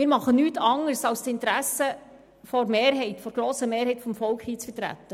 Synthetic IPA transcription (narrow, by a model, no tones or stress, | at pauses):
mɪːɾmɑχənyːtʰɑŋəɾsɑlstɪnt̪ɾæsə | fɔɾmeːɾɦɛɪtfɔɾɡ̥ɾoːsəmeːɾɦhɛɪtfɔmfɔlkχhiːt͡sfətɾæ̰t̪ːə